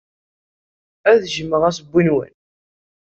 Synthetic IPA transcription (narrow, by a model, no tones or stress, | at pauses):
æðʒəmːəʁæsəbʷːinwə̰n